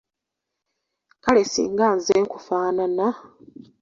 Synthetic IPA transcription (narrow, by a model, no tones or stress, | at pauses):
kalesḭːŋɡaːnzeːŋkufaːnana